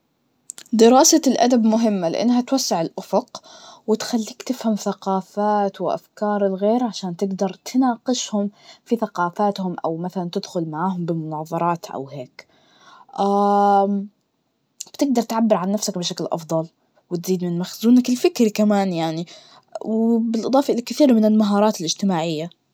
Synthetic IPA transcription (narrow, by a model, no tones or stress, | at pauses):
d̪ɪɾɑːsalʔad̪abmʊɦɪmːalɪ̰ʔa̰nːɦat̪wasːɪʕɪlʔʊfʊqwɪt̪xalːiːkt̪ɪfhamθaqɑːfaːt̪wɪʔa̰fkɑːɾˤɪlɣeːɾʕaʃaːnt̪ɪɡd̪ɑɾˤt̪nɑːqɪʃhʊmfiθaqɑːfaːt̪hʊmʔa̰wmaθalant̪ɪd̪xʊlmaʕaːɦʊmbɪmʊnɑːðˤɑɾˤɑːt̪ʔa̰wheːk | ʔaː | b̥t̪ɪɡ̚d̪ɑɾˤt̪ʕabːɪɾʕanːafsakbɪʃaklʔɑ̰fd̪ˤɑl | wɪt̪ziːd̪mɪnmaxzuːnakɪlfɪkɾikamaːnjaʕni | wbɪlʔɨd̪ˤɑːfɑʔɪlakɪθiːɾmɪnɪlmaɦɑːɾˤɑːt̪ɪlʔɪd͡ʒt̪ɪmaːʕɪjːa